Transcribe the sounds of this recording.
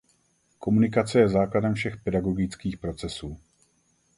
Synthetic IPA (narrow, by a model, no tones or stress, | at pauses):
ko̞munɪkat͡sɛjɛzaːkladɛmfʃɛxpɛdaɡo̞ɡɪt͡skiːxpɾo̞t͡sɛsuː